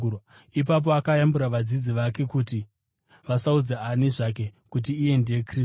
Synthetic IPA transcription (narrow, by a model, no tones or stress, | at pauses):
ip̬ap̬oakajambuɾaʋad͡zid͡ziʋake̞kuti | ʋasaud͡zeaniʐak̬e̞kut̬iːje̞ndejekri